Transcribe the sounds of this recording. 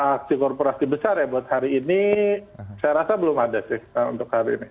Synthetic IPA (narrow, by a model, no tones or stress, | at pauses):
ak̚sikɔrpoɾasibəsarjabuat̪̚haɾiːni | sajaɾasabəlʊmadasɪhṵnt̪ʊkhaɾiːni